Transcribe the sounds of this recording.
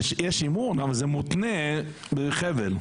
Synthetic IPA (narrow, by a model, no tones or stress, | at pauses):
ʃjɛʃimuːnavəɾzɛmʊtnɛ | bɪχɛvɛl